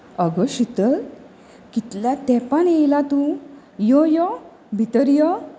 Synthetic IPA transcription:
əɡɔɕit̪əl | kit̪ljat̪ɛpanejlat̪ũ | jɔjɔ | bʱit̪əɾjɔ

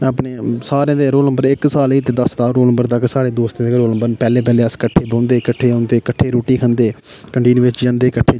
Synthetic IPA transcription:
aːpneːsaːɾeãːd̪eːɾoːlnə̃mbəɾɪksaːliːt̪eːd̪əst̪aːɾoːlnəmbəɾt̪əksaːɽeːd̪oːst̪ẽːkɾoːləmbəɾpɛːleːp̬ɛːleːəskəʈʰːeːbõːnd̪eːkəʈʰːeːõːnd̪eːkəʈʰːeːɾoːʈiːkʰənd̪eːkəɳʈiːnʋɪt͡ʃd͡ʒãnd̪eːkəʈʰːeː

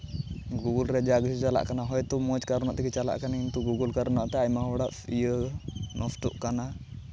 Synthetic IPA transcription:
ɡuɡəlɾɛd͡ʒaɡəsut͡ʃala̰ʔkanaɦɔjt̪ɔmɔd͡ʒkaɾɔnaʔt̪ikit͡ʃala̰ʔkanaint̪uɡuɡəlkaɾnaʔt̪ɛajmaɔɽaʔfijənʔɔfʈuʔkana

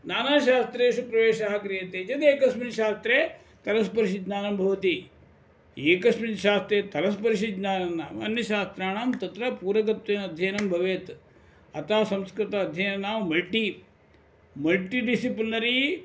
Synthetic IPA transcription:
naːnaːʃaːst̪ɾeːʃupɾɐʋeːʃaːɦɐkɾijɐt̪eːt͡ʃɐt̪eːkɐsminʃaːst̪ɾeː | t̪ɐlɐspɐɾiʃid̪naːnɐmbʱɐʋɐt̪i | eːkɐsminʃaːst̪ɾeːt̪ɐlɐspɐɾiʃid̪naːnɐnːa̰ːʋɐ̰njɐʃaːst̪ɾaːɳaːmt̪ɐt̪ɾɐpuːɾɐk̬ɐt̪ʋeːnɐd̪ʱjɐjɐnɐmbʱɐʋeːt̪ | ɐt̪aːsɐmskɾɪt̪ɐːd̪ʱjɐjnɐnaːʋmɐlʈi | mɐlʈiɖisiplnɐɾi

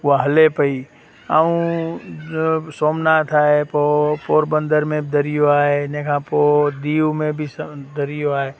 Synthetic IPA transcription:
ʊaɦəlepəi | aːũ | soːmnat̪ʰaːɦepopoːɾbə̃nd̪əɾmẽd̪əɾijoaːɦenẽkʰãːpod̪iːwmẽbʱisd̪əɾijoaːɦeː

